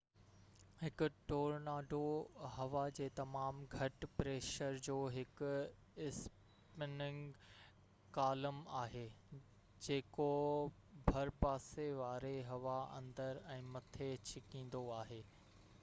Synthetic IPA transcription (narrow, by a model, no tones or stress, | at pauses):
hɪkʊʈoːɾnaːɖʱoɦɐʋad͡ʑeːt̪ɐmaːmɡʱɐʈpɾeːʃəɾd͡ʑoːɦɪkʊ̆ | ɪs | pɪnɪ̃ŋɡ | kaːləmaːɦeː | d͡ʑeːko | bʱɐɾpaːseʋaːɾeɦɐʋaɐ̰̃nd̪əɾɛ̃ːmɐt̪ʰet͡ɕʰɪkĩːn̆d̪oaːɦeː